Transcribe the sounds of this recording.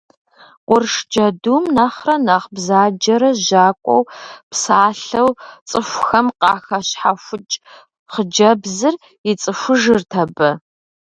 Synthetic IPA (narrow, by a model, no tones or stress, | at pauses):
wʊrʂd͡ʒɐdumnɐχrɐnɐʁbzaːd͡ʒɐɾɐʒaːkʷʼɔ̰wpsaːɬɐwt͡sʼɨxʷxɐmqɑːxɐɕħafʷʊt͡ʃʼ | χəd͡ʒɐbzɨr | ɪt͡sʼɨfʷʊʒɨrtʰɐbɐ